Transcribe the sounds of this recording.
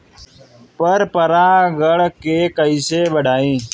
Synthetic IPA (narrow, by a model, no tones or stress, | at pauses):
pəɾpəɾãːɡəɽkeːkəiːseːbəɖʱaːĩː